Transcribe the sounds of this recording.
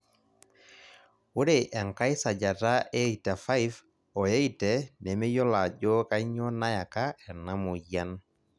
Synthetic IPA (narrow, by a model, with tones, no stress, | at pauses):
wu˦ɾeʔɛ˨ŋka˦jsa˨d͡ʒa˨ta˦e˦i˨ta˨fa˦jf | ɔ˨je˦i˨tɛ˨ne˨me˦jɔ˦la˨d͡ʒɔ˦ka˦ɲɔ˦na˦ja˨ka˦ɛ˨na˦mu˨ja˦n